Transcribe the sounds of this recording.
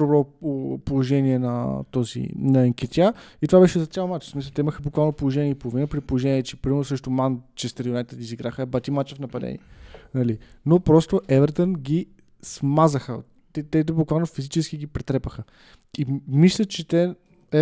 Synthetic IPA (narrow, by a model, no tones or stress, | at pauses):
d̪obɾɔpolˠoʒɛniɛnɐt̪ɔzḭnɐɛŋkʲɛt̪ʲjait̪ovabɛʃɛzɐt̪sʲjalˠmat͡ʃsmisəlˠt̪ɛiməxəbʊkvalˠnopolˠoʒɛniɛipolˠʊvinəpɾipolˠoʒɛniɛt͡ʃɛpɾimɛɾnʊsɾɛʃt̪omant͡ʃɛst̪ɐɾionɛt̪əd̪ʲiziɡɾaxəɛbat̪imat͡ʃɛfnɐpɐd̪ɛ̰nḭɛnɐlinopɾɔst̪oʔɛvɛɾt̪ənɡʲi | smazəxə̰ | ɛt̪ɛd̪ɛbʊukvalˠnofizit͡ʃɛsk̟iɡipɾɛt̪ɾɛpəxə | imislʲət͡ʃɛt̪ɛ | ɛ